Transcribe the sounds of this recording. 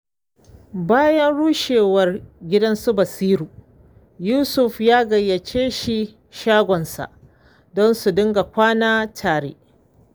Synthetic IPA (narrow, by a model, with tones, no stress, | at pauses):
baː˦jɐ˦nɽuː˦ʃeː˨wɐ˨rɡʲɪ˦dɐ˦nsu˦bɐ˨siː˦ɾuː˨ | juː˦sʊ˨ɸjaː˦ɡɐ˨jːɐ˨t͡ʃeː˦ʃi˨ | ʃaː˦ɡʷɔ˨nsa̰˨ʔ | dɔ˦nsu˨dʊ˦ŋɡa˨kʷaː˦naː˦tʰaː˨ɽḛː˦